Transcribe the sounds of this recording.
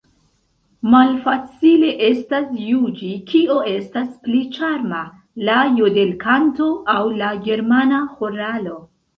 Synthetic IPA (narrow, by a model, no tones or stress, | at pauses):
malfat͡sile̞ʔe̞stasjud͡ʒikʰio̞e̞stasplit͡ʃaɾma | lajode̞lkʰanto̞ʔawlaɡe̞ɾmanahoɾalo̞